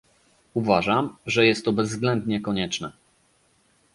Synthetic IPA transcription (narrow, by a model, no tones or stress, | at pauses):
uvaʐamʐɛjɛst̪ːɔbɛzːɡlɛnd̪ɲɛkɔɲɛt͡ʂnɛ